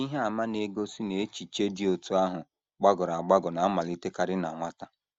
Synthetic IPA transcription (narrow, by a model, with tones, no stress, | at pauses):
i˦ɦe˦a˨ma˦ne˦ɡo˦si˦ne˨e˦t͡ʃi˨t͡ʃe˦di˦o˨tu˦a˦ɦʊ˨ | ɡ͡ba˦ɡʊ˨ɾa˨a˨ɡ͡ba˦ɡɔ˨na˨a˦ma˨li˦te˦ka˦ɾɪ˦na̰˨ŋʷa˦ta˦